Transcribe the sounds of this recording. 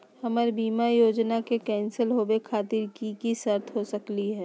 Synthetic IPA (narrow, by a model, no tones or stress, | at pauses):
hɐməɾbiːmajoːd͡ʒnakekɛːnsəlɦoːbekʰaːt̪ɪɾkikisɐɾt̪ʰɦosɐkliɦɛː